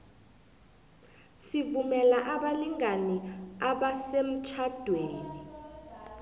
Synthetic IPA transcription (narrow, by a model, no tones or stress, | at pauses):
sivumɛlaʔaɓaliŋaniaɓasem̩t͡ʃʰad̥ʱweːni